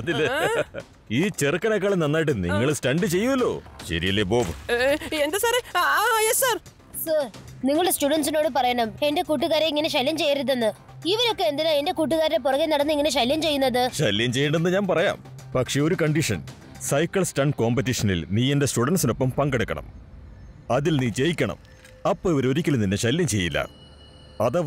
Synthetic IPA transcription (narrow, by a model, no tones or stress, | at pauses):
ɐðilːe | iːt͡ɕerkːɐnɐkːɐɭnɐnːaːjiʈ̬ːɨnḭŋːɐɭsʈɐɳɖɨt͡ɕe̞jːuʋɐlːo̞̰ːɕɐ̰ɾijɐlːeboːbɨend̪ɐsaːɾejesaːr | sɐːrniŋːɐɭɨɽesʈuːɽɐns̬ino̞ːɽɨpɐrɐjɐɳɐme̞nde̞kuːʈːuɣaːɾeiŋːɐne̞ɕɐljɐmt͡ɕe̞jːaːɾut̪ːenːɨ | iʋɐɾo̞kːe̞end̪inae̞nde̞kuːʈ̬ːuɣaːɾɾep̬orɐɣenɐɽɐnːɨiŋːɐneɕ̬ɐljɐmt͡ɕe̞jːunːɐðɨɕɐlːjɐmt͡ɕe̞jːɐɳɖenːɨɲaːnpɐrɐja̰ːm | pɐkʂe̞o̞ɾukɐɳɖiʂɐ̰n | sɐjkːɐɭstɐnko̞ːmpɐt̬ːiʂɐnḭlniːe̞ndestuɽɐnsino̞pːɐmpɐŋɡeɽukːɐ̰ɳɐ̰m | ɐðilniːt͡ɕe̞jikʲːɐɳɐ̰m | ɐpːoːiʋɐɾo̞ɾikʲːɐlninːeɕɐljɐmt͡ɕe̞jːilːɐ̰ | ɐðɐ